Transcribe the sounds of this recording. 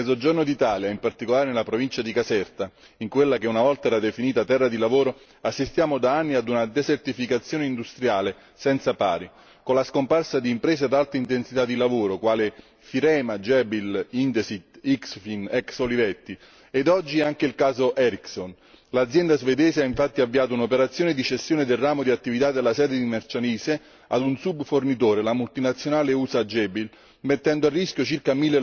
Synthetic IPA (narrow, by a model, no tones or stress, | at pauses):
zod͡ʒornod̪it̪aːljaimpart̪ikolaːɾenelapɾovint͡ʃad̪ikasɛrt̪a | iŋkwelːakeunavɔlt̪aɛːɾad̪efiniːt̪at̪ɛrːad̪ilavoːɾo | asːist̪jaːmod̪aanːiad̪unad̪ezert̪ifikat̪sːjoːneind̪ust̪ɾjaːle | sɛnt̪sapa̰ːɾi | konlaskomparsad̪iːmpɾɛːzead̪alt̪ɾeint̪ensit̪ad̪ːilavoːɾokwaːle | fiɾɛːmad͡ʒɛbilint̪esit̪iksfinɛksolivɛt̪ːi | ed̪ɔd͡ʒːiɛaŋk̟eilkaːzoʔɛɾikson | lad̪zjɛnd̪azved̪ɛːseaiɱfat̪ːiavːiaːt̪ʊunopeɾat̪sːjoːned̪it͡ʃest̪ːjoːned̪elrːaːmod̪iat̪ːivit̪ad̪elːasɛːd̪ed̪imert͡ʃaniːse | a̰d̪unsubfornit̪̬oːɾelamult̪inat̪sːjonaːleuːsad͡ʒɛbil | met̪ːɛnd̪oarːisk̟jot͡ʃirkamilːe